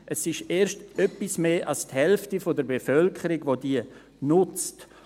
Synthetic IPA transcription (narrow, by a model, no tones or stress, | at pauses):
ʔəsɪʃeːɾʃtœpismeːʔalsthɛlftifodəɾbefœlkʰəɾɪɡvodiə | nʊt͡st